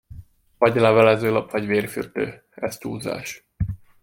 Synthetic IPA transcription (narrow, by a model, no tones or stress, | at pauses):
vɒɟlɛvɛlɛzøːlɒpʋɒɟveːrfyrt̪ø̰ː | ɛst̪uːza̰ːʃ